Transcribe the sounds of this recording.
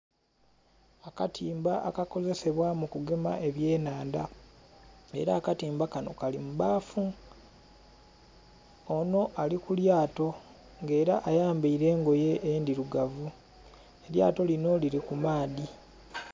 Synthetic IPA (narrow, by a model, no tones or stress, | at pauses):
akatʰiːmbaʔakako̞ze̞se̞βwamukuɡe̞ma̰ʔe̞βje̞ːnaːnda̰ | e̞̰ɾaːkatiːmbakano̞̰kalimuβaːfu | ono̞ʔalikuljaːto̞ | ŋɡe̞ːɾa̰ʔajaːmbaiɾe̞ːŋɡo̞je̞ʔːndiɾuɡavu | e̞lja̰ːto̞lino̞liɾikumaːdi